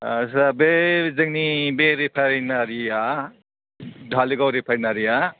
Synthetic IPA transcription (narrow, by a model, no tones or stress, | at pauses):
sabezɐŋnibeɾipʰaɾnaɾia | dʱaliɡawɾipʰaɾnaɾija